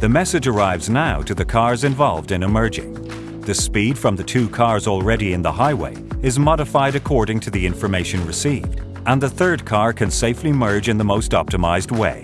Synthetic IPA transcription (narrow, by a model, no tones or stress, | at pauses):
ðɨmɛsɨd͡ʒə˞aɪvznaʊɾɨðɨkʰɑɹzɨ̃ɱvɑlˠvdɨ̃nɨmɜ˞d͡ʒɪ̰̃ŋ | ðɨspid̥fɹʌ̃mðɨtʰʉkʰɑɹzɔl̩ˠɹɛɾiɨ̃nðəhaɪwḛɪɨzmɑɾəfaɪɾɨkʰɔɹɾɪ̃ŋtʰɨðiɪ̃ɱfə˞meɪʃɨ̃nɹɨsivd | ə̃nðəθɜ˞d̚kʰɑɹkʰɨ̃nseɪflimɜ˞d͡ʒɨ̃nðəmoʊstɑp̚tɨma̰ɪzd̚weɪ